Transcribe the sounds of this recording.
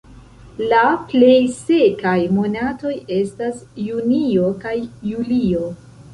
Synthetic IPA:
laple̞jse̞kajmo̞nato̞je̞stasːunio̞kajːulio̞

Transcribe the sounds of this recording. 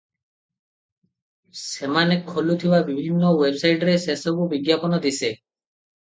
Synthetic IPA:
semanekʰːolut̪ʰibabibʱinːɔwebsajʈɔɾesesɔkubiɡjapɔnɔd̪ise

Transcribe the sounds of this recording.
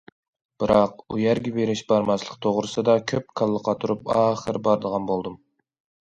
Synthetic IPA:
b̥ɨɾɑqujæɾɡʲɛveɾɪʃbɑɾmɑslˠəq̚t̪ʰoʁɾɨsɨd̪ɑkʲʰøp̚kʰɑlˠːəqʰɑt̪ʰuɾupɑːχəɾbɑɾd̪əʁɑnbolˠd̪um

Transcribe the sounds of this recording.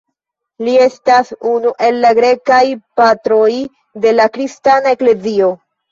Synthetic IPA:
lie̞stasunuʔe̞lːaɡɾe̞kajpatɾoj | de̞lakɾistanae̞kle̞zio̞

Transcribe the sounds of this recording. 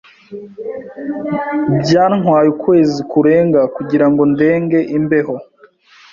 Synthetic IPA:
bjaːŋ̥waːjukwe̞ːzikuɾe̞ːŋɡakuɟiɾaŋɡo̞nde̞ːŋɡe̞ʔimbe̞ho̞

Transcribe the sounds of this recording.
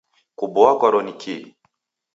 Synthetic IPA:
kubɔakaɾɔnikʰi

